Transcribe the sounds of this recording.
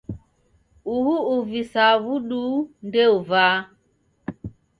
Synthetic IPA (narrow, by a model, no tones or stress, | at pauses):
uhuuvisavuɗundeuvaː